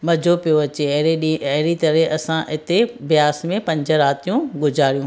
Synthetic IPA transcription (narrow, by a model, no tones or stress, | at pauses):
mɐd͡ʑʱopijoɐt͡ɕeɗɐɦɪɾit̪ɐɾɛʔɐsãʔɪt̪eʋijaːsmẽpɐ̃ɲd͡ʑə̆ɾaːt̪ijũɡʊzʱaːɾijũ